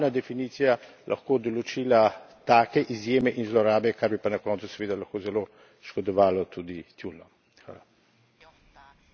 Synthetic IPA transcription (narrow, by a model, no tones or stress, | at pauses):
nad̪ɛfiniːt̪sija | lʔa̰xkoːd̪ɔlɔt͡ʃiːlat̪aːkɛʔizjeːmɛʔinzlɔɾaːbɛkaɾbipanɐkɔːnt̪su̥sɛʋeːd̪alɐxkoːzɛlo | ʃkɔd̪ɔʋaːlɔt̪ʰud̪it̪ulnɔ | xʋa̰ːla